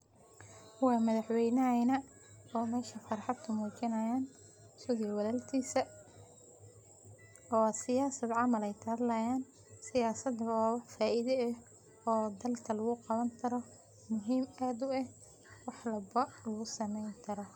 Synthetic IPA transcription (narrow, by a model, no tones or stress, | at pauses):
wɑːmɐðɑħwɛjnɐɐjnɐ | ɔːmɛːʃɐfɑrħɑd̪kʰʊmuːt͡ʃɪnɐjaːn | sʊðɪjwɐlɐlt̪ʰiːsɐ | ɔːsɪjaːsɐd̪ʕɑmɐlɛjt̪ʰɐːðlɐjaːn | sɪjaːsɐd̪ɔfaːʔiðɛɛ | ɔːd̪ɐlkʰɐlɐɣʊqɑβɐnt̪ʰɐɾɔ | mʊɦiːmaːd̪ʊɛh | wɑħlɐbɐlɐɣʊsɐmɛjnk̪ʰɐɾɔ